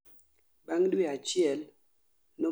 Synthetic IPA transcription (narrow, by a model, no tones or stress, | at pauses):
baŋdwiat͡ʃɛl | no